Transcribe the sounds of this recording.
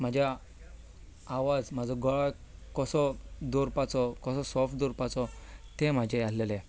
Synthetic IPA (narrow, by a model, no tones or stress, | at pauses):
m̤ad͡ʑʱja | aʋad͡zmad͡zʱɔɡɔɭakɔsɔd̪oɾpat͡sɔkɔsɔsɔfd̪oɾpat͡sɔt̪em̤ad͡ʑʱeaslele